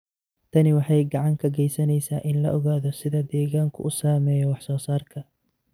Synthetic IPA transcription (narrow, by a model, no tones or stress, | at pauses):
t̪ʰɐnɪwɑħɑjɡɑʕɑŋkʰɐɡɛjsɐnɛjsaːʔɪnlɐ̰ʔɔɣaːðɔsɪðɐd̪ɛːɣaːŋkʰʊ̰ʔʊsaːmɛːjɔwɑħsɔːsaːrkʰɐ